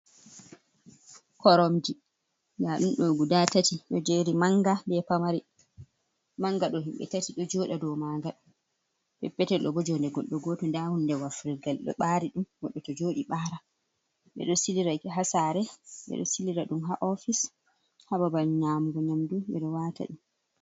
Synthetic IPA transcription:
kɔɾɔmdi | ndaɗumɗɔɡudatatiɗɔd͡ʒeɾimaŋɡabɛpamaɾi | maŋɡaɗɔɦimɓɛ̰tatiɗɔd͡ʒɔːɗadɔmaŋɡaɗ | ɓɛpːɛtɛɗɔbɔd͡ʒɔndɛɡɔɗːɔɡɔtɔndahundɛwafɾiɡalɗɔ̰ɓaɾiɗumɡɔɗːɔtɔd͡ʒoːɗiɓaɾa | ɓɛ̰ɗɔsiliɾaɦasaɾɛɓɛ̰ɗɔ̰siliɾaɗumɦaʔɔfis | hababalnamɡɔɲamduɓɛɗɔwata̰ɗi

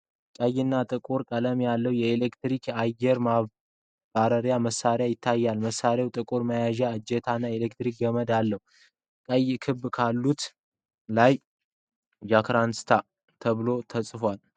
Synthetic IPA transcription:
kʼəjːɪnːat̪ʼɨkʼuɾkʼələmjalːəhwjɛelekt̪ɾikʰajːɛɾma | baɾəɾjaməsːaɾjajɪt̪ʰːajːalməsːaɾjawt̪ʼɨkʼuɾməjaʒaɨd͡ʒːɛt̪ʰanːaelekt̪ɾik̚ɡəməd̪alːəhu | kʼəjːkʰɨbːkʰalːut̪ | laj | d͡ʒakɾanst̪ʰa | t̪ʰəβɨlo̞t̪ʰəsʼfwal

